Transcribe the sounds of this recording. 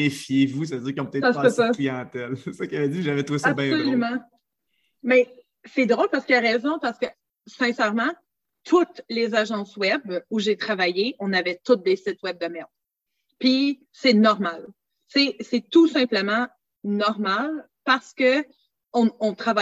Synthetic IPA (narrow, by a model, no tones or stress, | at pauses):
efjevus̬avəd͡ziːʁkjɔ̃pət̪ɛsasɛsaklijɑ̃t̪ɛlssɔkjavɛd͡ziʒavɛt̪sabɛ̃solymɑ̃ | mɛ | sɛd̪ʁowlpaʁsə̥kiaʁɛːzɔ̃paʁskə | sɛ̃sɛʁmɑ̃ | t̪ʰʊt̪lezaʒɑ̃swɛbuʒet̪χavajeɔ̃navɛt̪ʊt̪̚d̪esɪt̪wɛb̚d̪amɛʁd̪ | pi | sɛnɔʁmal | sɛsɛt̪usɛ̃pləmɑ̃ | nɔʁmal | paʁsə̥kə | ɔ̃ɔ̃t̪χava